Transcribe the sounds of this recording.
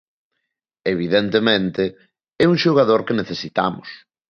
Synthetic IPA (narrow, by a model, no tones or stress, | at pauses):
eβ̞iðent̪emẽnt̪ɪ | ɛuŋʃoɣ̞aðoɾkeneθesit̪a̰mʊ̰s